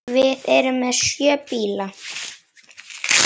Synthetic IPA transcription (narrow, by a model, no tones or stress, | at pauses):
vɪðɛɾʏmːɛðsjœːpiːla